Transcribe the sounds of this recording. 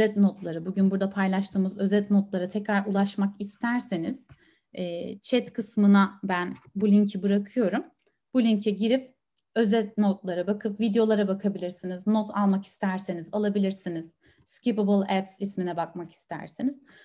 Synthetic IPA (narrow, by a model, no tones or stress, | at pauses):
øɛt̪no̞t̪lˠaɾɯbuɟynbuɾd̪apʰajlˠaʃt̪ʰɯːmɯzø̞zɛt̪not̪lˠaɾɯt̪ʰɛcɾaɾulˠaʃmakist̪ʰæɾsiniz̥ | ɛːt͡ʃʰɛt̪kʰɯsmɯnabænbulʲiɲcʰibɯɾakʰɯjo̞ɾum | b̥ulʲiɲcʰɛɟiɾip̚ | ø̞zɛt̪̚not̪lˠaɾabakʰɯpvid̪ejo̞lˠaɾabakʰabilʲiɾsiniznot̪ʰalˠmaki̥st̪ʰæɾsinizalˠabilʲiɾsiniz̥ | scipablˠɛt̪sisminɛbak̚maki̥st̪ʰæ̰ɾsiniz̥